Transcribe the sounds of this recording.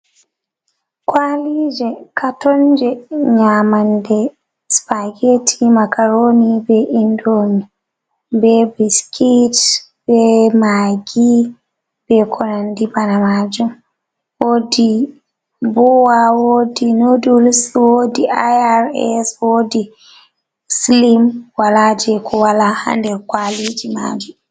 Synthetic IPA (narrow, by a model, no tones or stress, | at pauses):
kwalid͡ʒɛkʰatɔnd͡ʒɛɲamandɛ | spaɡetʰimakaɾonibɛʔindoni | bɛbiskʰit | b̥ɛmaɡi | b̥ɛkʰɔnandibanamad͡ʒum | wodi | bɔwawodinodulswodiʔajaɾɛ̰swoːdi | slimwalad͡ʒɛkʰɔwalaha̰ndɛɾkwalid͡ʒima̰ːd͡ʒum